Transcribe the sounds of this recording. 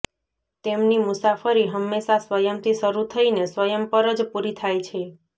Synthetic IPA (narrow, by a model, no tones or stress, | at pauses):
t̪emnimʊsafəɾiɦəmːeʃasʋəjəmt̪ʰiʃəɾut̪ʰəinesʋəjəmpəɾəd͡ʒpuɾit̪ʰajt͡ʃʰe